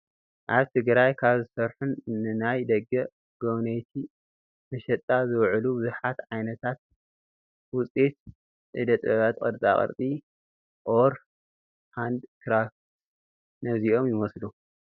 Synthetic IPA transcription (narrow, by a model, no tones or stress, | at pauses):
ʔaβt̪ʰɨɡɾajkʰaβzɨsɐɾħunːɨnajd̪ɐɡːɐ | ɡ̥ownejt̪ʰi | mɐʃɛt̪ʼːazɨwʕlubɨzuħat̪ʕajnɐt̪ʰat̪̚ | wʊt͡sʼit̪̚ | ʔɨ̰d̪ɐt̪ʼɐβat̪kʼɐ̰ɾt͡s̪ʼa̰χʼɐ̰ɾt̪ʼi | ʔoɾ | ħand̪t̪ʰɾaf | t̪ | nɐziʔo̞mjɪmɐslu